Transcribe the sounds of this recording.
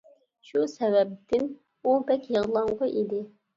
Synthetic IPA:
ʃusɛvɛp̚t̪ʰɪn | ubɛkʲjəʁlˠɑɴʁɑʔid̪ɪ

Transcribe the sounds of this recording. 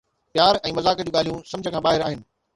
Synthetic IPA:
pjaːɾɛ̃ːmɐzaːkə̆d͡ʑuːɠaːl̤ijũsɐ̃md͡ʑʱəkʰãːbaːɦɪɾaːɦɪnɪ̆

